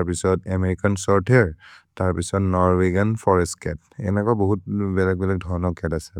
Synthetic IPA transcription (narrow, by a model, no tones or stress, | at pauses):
ɹpisɔtameɹikansɔɹtʰeɹtaɹpisɔtnɔɹweɡanfʰɔɹɛstkɛt | ɛnɛkɔaboɦutbɛlak̚bɛlak̚dʱɔɹnɔkɛtasɛ